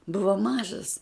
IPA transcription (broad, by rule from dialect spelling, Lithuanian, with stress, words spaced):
ˈbʊʋoː ˈmɑːʒɐs